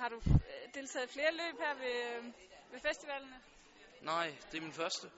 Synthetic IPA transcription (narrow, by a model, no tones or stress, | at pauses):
hɑ̈ɾ̥ud̥e̝ːlt͡sʰɛ̰ːð̩ˠfle̝ːɐlø̰ːb̥hæɐ̰ʋe̝ | ʋe̝fesd̥iʋɛlnə | nɑɪ̰d̥e̝ɐminfɶɐsd̥ə